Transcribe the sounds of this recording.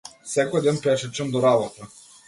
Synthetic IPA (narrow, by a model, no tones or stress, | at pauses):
sɛkɔjd̪ɛnpɛʃɛt͡ʃamd̪ɔɾabɔt̪a